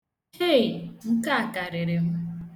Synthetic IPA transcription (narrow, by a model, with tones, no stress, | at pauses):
he˦˨ŋ̩˦ka˦a˨ka˨ɾɪ˨ɾɪ˨ɦʊ˦